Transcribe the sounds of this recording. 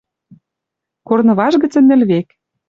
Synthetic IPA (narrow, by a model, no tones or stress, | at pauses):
kornɤ̆βɑʒɣə̆t͡sə̆nːɘ̆lβek